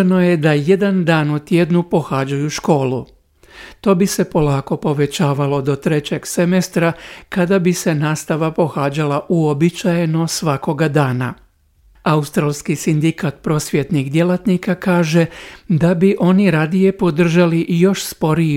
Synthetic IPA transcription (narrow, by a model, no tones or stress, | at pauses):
no̞je̞d̪aje̞d̪and̪aːnut̪jed̪nupo̞xad͡ʑajuʃko̞ːlu | t̪o̞ːbise̞po̞laːko̞po̞ʋe̞t͡ɕaːʋalo̞d̪o̞t̪ɾe̞t͡ɕe̞ɡse̞mest̪ɾakad̪abise̞naːst̪aʋapo̞xaːd͡ʒalaʔuobit͡ɕajeno̞sʋako̞ɡad̪aːna̰ | aust̪ɾalˠskisind̪ikat̪̚pɾo̞ːsʋjet̪nixd̪je̞lat̪nikakaːʒe̞d̪abiʔo̞niɾad̪ije̞po̞d̪r̩ʒaliʔjo̞ʃspo̞ɾi